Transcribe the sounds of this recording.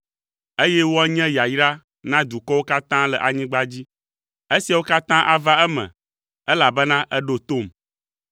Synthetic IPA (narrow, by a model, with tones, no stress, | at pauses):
e˦jɛ˦wo˦a˦ɲɛ̃˦ja˨jɾa˦ | nã˦d̪u˨kɔ˦wo˦ka˦t̪ã˦lə˨ʔa˨ɲĩ˦ɡ͡ba˦d͡ʑi˦ | e˦si˨a˨wo˦ka˦t̪ã˦ʔa˨va˦ɛ˦mɛ̰̃˨ | ɛ˦la˨bɛ˦nã˦ʔɛ˦ɖo˦t̪o˦˨m